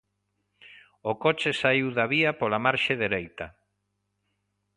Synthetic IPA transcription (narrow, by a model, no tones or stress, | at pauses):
okot͡ʃesaiwðaβiapolamaɾʃeðeɾejt̪ɐ